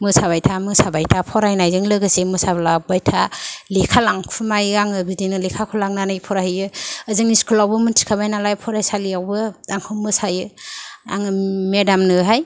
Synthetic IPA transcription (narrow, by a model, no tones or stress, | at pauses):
mɯsabajtʰamɯsabajtʰapʰɔɾajnajzɯŋlɯɡɯsemɯsablabajtʰalikʰalaŋkʰumajɯaŋɯbidinɯlekʰakʰulaŋnanɯjpʰɔɾahɯjɯəzɯŋniskʰɯlawbɯmɯntʰi̥kʰabajnalajpʰɔɾajsalijawbɯdaŋkʰɯmɯsajɯa̰ŋɯmedamnɯɦaj